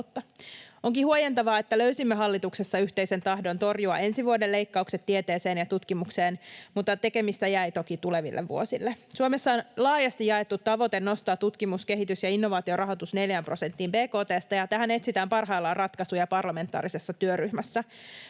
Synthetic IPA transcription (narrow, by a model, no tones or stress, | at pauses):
t̪ːɑo̞ŋkihuojent̪ɑʋɑːet̪ːæløysimːeɦɑlːit̪uksesːɑyçt̪e̞ise̞nt̪ɑhdo̞nt̪o̞rjuɑ̰e̞nsiʋuode̞le̞jkːɑukset̪ːiet̪e̞ːse̞ːnjɑt̪ut̪kimukse̞ːnmut̪ːˑɑt̪e̞ke̞mist̪æjæjt̪o̞kit̪ule̞ʋḭlːʔḛʋːṵo̞silːesuomesːɑonlɑːjɑst̪ijɑet̪ːut̪ːɑʋo̞t̪enːo̞st̪ɑːt̪ːut̪kimuske̞ɦit̪ysjɑinːo̞ʋɑːt̪io̞rɑɦo̞t̪usne̞ljæmpro̞se̞nt̪ːiːmpe̞ːko̞ːt̪e̞ːst̪ɑjɑt̪æɦæne̞t̪sit̪æːmpɑrɦɑilːɑrɑt̪kɑsujɑpɑrlɑme̞nt̪ːˑɑ̰ːɾise̞sːɑt̪yøryhmæsːæ